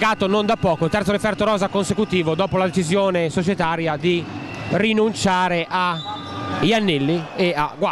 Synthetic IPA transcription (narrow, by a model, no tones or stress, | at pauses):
ɡaːt̪onond̪apːɔːkot̪ɛɾoɾifɛɾt̪oɾɔːzakonsekut̪iːvod̪ɔːpolad̪et͡ʃizjoːnesot͡ʃɛt̪aːɾjad̪i | rinunt͡ʃaːɾeʔa | janːilːieaɡwa